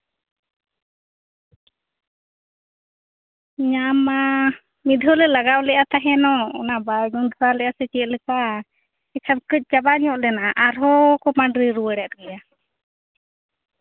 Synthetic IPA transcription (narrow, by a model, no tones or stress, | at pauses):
ɲama | mid̪ʱɔlɛlaɡawlɛʔat̪aɦɛnɔɔnabaɖund̪ʱɾalɛʔasɛt͡ʃɛʔlɛpa | isabkəc̚ˀt͡ʃabaɲɔʔlɛnaʔaʔaɾɦɔkɔmaɳɖɾiɾuwəɽɛʔ̪̚ɡɛja